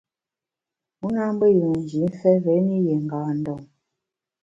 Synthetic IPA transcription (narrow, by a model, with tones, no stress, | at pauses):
mu˦na˦m˦bə˦ju˨ŋ˨n˨d͡ʒi˨˦n˦fɛ˦ve˨˦ni˦je˨ŋ̩˨ɡaː˨n̩˦dɔ˨ŋ